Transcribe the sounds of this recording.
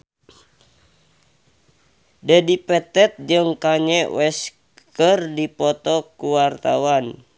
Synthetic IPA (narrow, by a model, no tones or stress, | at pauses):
dɛdipɛt̪ɛt̪̚d͡ʒɨŋkaɲɛwɛs | kərdipɔt̪ɔkuwart̪awan